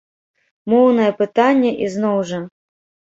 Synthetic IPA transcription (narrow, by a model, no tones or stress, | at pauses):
mɔwnɐjɛpɨt̪anʲːɛʔiznɔwʐɐ